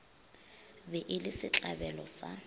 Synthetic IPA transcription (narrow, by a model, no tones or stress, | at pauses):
bɛʔɪlɪsɪt͡ɬʼabɛlɔsa